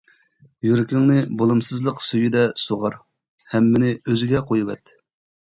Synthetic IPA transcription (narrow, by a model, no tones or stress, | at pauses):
jyɾɪkʲʰiŋnɨbolˠɨmsɨzlˠəqsyjid̪ɛsoʁɑɾ | hɛmːɪnɪøzɪɡʲɛqʰojuvɛ̰t̪ʰːɪ̥